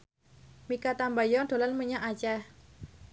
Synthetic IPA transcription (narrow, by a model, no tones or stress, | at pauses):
mikat̪ambajɔd̪̥o̤lanməɲaʔat͡ʃah